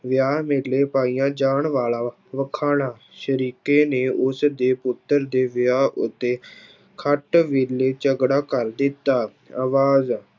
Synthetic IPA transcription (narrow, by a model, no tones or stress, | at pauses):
ʋɪjaːɦmɪleːpaːiːjãːd͡ʒaːɳʋaːlaː | ʋəkʰaːnaː | ʃəɾiːkeːneːʊsd̪eːpʊt̪ːəɾd̪eːʋɪjaːɦʊ̰t̪ːeː | kʰəʈʋɪleːt͡ʃəɡɽaːkəɾd̪ɪt̪ːaː | aːʋaːz